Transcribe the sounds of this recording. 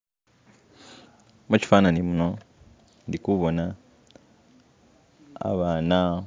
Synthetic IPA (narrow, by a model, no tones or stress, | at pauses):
meci̥fananimuno | ndikuβona | βana